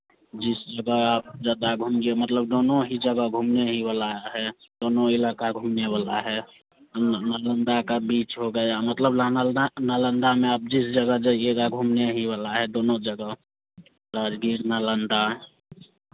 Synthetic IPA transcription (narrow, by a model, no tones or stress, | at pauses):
d͡ʒisd͡ʒəɡəap̚d͡ʒəd̪aɡʱumɡemət̪ləb̚d̪onoɦid͡ʒəɡəɡʱumneɦiβalaɦɛd̪onoilakaɡʱumneβalaɦɛ | nələnd̪akebit͡ʃɦoɡəjamət̪ləbnələnd̪ameap̚d͡ʒisd͡ʒəɡəd͡ʒeeɡ̪aɡʱumneɦiβalaɦɛd̪onod͡ʒəɡə | ɾad͡ʒɡiɾnələnd̪a